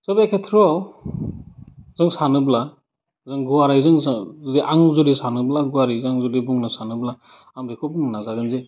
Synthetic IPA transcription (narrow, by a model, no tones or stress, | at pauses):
sɔbekʰetʰɾɔ | zɯŋsanɯbla | zɯŋɡuwaɾajzɯŋzdiʔaŋzɔɾisanɯblaɡuwaɾizaŋzɔdibuŋnasanɯbla | amɾikʰɔbnnazaɡɯnze